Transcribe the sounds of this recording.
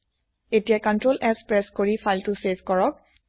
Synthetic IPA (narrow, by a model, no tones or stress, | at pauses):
etijakɔntɹolɛspɹɛskoɹifʰajltʊsevʱkɔɹɔk̚